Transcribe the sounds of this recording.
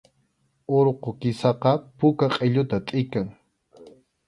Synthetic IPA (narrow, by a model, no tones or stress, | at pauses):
oɾqokɪsɑqɑpʊkaqʼeʎʊt̪at̪ʼɪkaŋ